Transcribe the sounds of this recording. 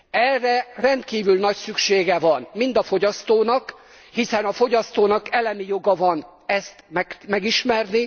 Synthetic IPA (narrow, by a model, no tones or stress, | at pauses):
ɛrːɛrɛnt̪kiːvylnɒcsykʃeːɡɛvɒnmind̪ɒfo̞ɟɒst̪oːnɒk | hisɛnɒfo̞ɟɒst̪oːnɒkɛlɛmijo̞ɡɒvɒn | ɛst̪mɛmɛɡiʃmɛrni